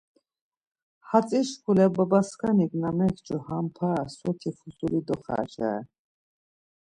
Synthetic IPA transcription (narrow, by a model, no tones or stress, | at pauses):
hat͡sʼiʃkʰulɛbabaskʰaniɡnamɛkt͡ʃʼɔhampʰaswɔt̪ʰifʰusulid̪ɔχa̰t͡ʃa̰ɛ